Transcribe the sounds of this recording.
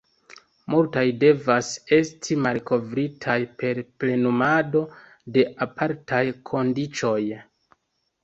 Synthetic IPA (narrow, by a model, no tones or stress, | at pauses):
multajde̞vase̞stʰimalkʰo̞vɾitʰajpe̞ɾple̞numado̞ | de̞apʰaɾtʰajkʰo̞ndit͡ʃo̞j